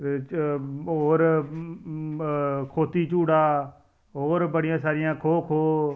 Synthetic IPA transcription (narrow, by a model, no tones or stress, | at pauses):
oːɾ | kʰoːt̪iːt͡ʃuːɽaː | ɦoːɾbəɽɪjãːsaːɾɪjãːkʰoːkʰoː